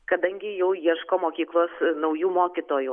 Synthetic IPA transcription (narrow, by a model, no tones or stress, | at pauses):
kɐd̪ɐŋʲɡʲɪjɛʊjiɛʃkoːmoːkʲiːklˠoːsnɐʊjuːmoːkʲit̪oːju